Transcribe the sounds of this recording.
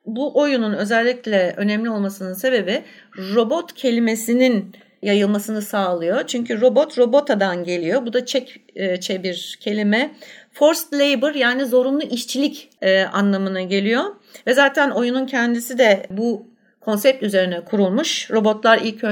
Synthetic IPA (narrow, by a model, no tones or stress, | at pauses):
buʔo̞jununø̞zɛlʲːiclʲɛø̞nɛmlʲio̞lˠmasɯnɯnse̞be̞bi | ɾo̞bo̞t̪cʰe̞lʲime̞sinin | jajɯlˠmasɯnɯsaːlˠɯjo̞t͡ʃʰyɲcʰyɾo̞bo̞t̪ɾo̞bo̞t̪ʰad̪anɟe̞lʲijo̞bud̪at͡ʃʰɛcːt͡ʃʰɛbiɾcʰe̞lʲimɛfo̞ɾst̪lʲejbɯɾjaːnizo̞ɾunlˠuʔiʃt͡ʃʰilʲicɛʔa̰nlˠamɯnaɟe̞lʲijo̞ | vɛzaːt̪ʰæno̞jununcʰɛnd̪isid̪ɛbu | kʰo̞nsɛp̚t̪yze̞ɾinɛkʰuɾulˠmuʃɾo̞bo̞t̪lˠaɾilʲcʰø